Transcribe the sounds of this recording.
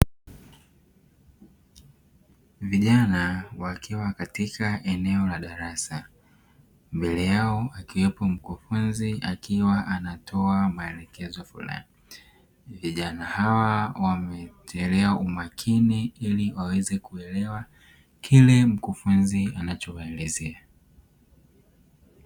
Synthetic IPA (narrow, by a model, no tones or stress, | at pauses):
viʄanawakʰiwakatikʰaʔɛnɛɔlaɗaɾasa | mbɛlɛjaɔakiwɛpɔm̩kufunziakiwaʔanatʰɔamaɛlɛkɛzɔfṵla̰i | viʄanahawawamɛtʰɛlɛaumakʰiniiliwawɛzɛkuɛlɛwa | kʰilɛm̩kufunzianat͡ʃɔwaɛlɛzɛa